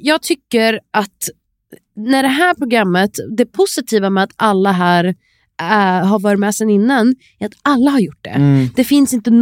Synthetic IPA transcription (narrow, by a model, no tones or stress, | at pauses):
jɑːɡ̚t̪ʰʏkːəɾʔat̪ | næɖɛɦæːɾpʰɾʊɡɾamːət̪d̪ɛpʰʊsɪt̪ʰiːvamɛat̪alːaɦæːɾ | ɦaɾvɑːɾɪt̪mɛːsɛnɪnːan | æɾat̪alːahaɾjʊʈ̚ːɖ̪ɛ̰d̪̥ɛfɪnsɪnt̪ən